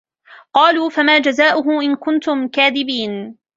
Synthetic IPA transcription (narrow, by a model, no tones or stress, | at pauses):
qɑːluːfamaːd͡ʒazaːʔʊɦʊʔɪnkʊnt̪ʊmkaːðɪbiːn